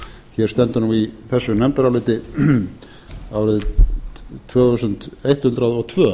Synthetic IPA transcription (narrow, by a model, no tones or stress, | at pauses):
çɛɾ̥st̪ɛnt̪ʏnuiθɛsːʏnɛmt̪aɾalɪt̪ɪ | aːwɾɪð | t̪ʰvœːθusʏn̥t̪ejht̪hʏnt̪ɾaðɔɣt̪ʰvœː